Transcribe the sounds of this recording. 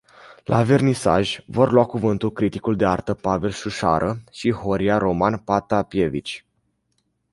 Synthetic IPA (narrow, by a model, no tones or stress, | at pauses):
lʔa̰ve̞rnisa̰ʒʲvo̞rlwakuvɨnt̪ulkɾit̪ikuld̪e̞art̪əpave̞lʃuʃa̰ɾʔəʃiɦo̞ɾiaɾo̞manpat̪apje̞vit͡ʃʲ